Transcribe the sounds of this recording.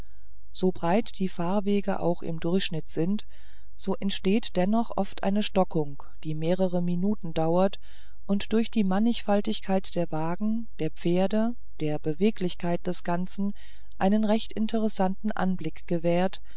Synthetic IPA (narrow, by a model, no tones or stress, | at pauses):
z̥oːbʁaɪtd̥iːfaːɐveːɡəʔa̰ʊxɪ̰mdʊɐçʃnɪtz̥ɪnt | z̥oːʔɛntʃteːtd̥ɛnɔχʔɔftʔa̰ɪnəʃtɔkʊŋ | d̥iːmeːʁ̞əʁəminuːtn̩daʊɐt | ʔʊntd̥ʊɐçd̥iːmanɪçfaltɪçkʰaɪtd̥eːɐvaːɡŋ̩ | d̥eːɐp͡feːɐdə | d̥eːɐbəveːklɪçkʰaɪt̚d̥ɛsɡ̥ant͡sn̩ | ʔaɪnənʁɛçtɪ̰ntʰəʁ̞əsantn̩ʔa̰nblɪkɡ̥əvɛːɐt